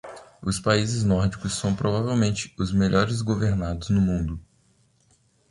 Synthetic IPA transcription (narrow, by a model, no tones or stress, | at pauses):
ʊspaizɪznɔɾd͡ʒikʊsːɐ̃w̃pɾovavewmẽnt͡ʃɪ̥ʊzmeʎʔɔɾɪzɡoveɾnad̪ʊznʊmũnd̪ʊ